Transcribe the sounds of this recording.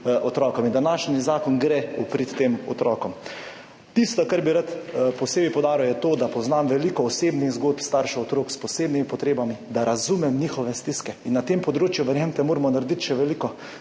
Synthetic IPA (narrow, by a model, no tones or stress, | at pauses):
ɔt̪ɾɔːkɔmind̪anaʃnizaːkɔnɡɾeupɾit̪ːeːmɔ̰t̪ɾɔːkɔm | t̪ist̪ɔkaɾbiɾat̪pɔseːbipɔwd̪aːɾiwjɛt̪oːd̪apɔznamʋɛlikɔːseːbniɣzɡoːt̪pst̪aɾʃɛɔt̪ɾoːkspɔseːbnimipɔt̪ɾeːbamid̪aɾazumɛmniːxɔʋɛst̪iskɛinːat̪eːmpɔd̪ɾoːt͡ʃjuʋəɾjɛmt̪ɛmoːɾmɔnaɾd̪it̪ʃɛʋɛlikɔ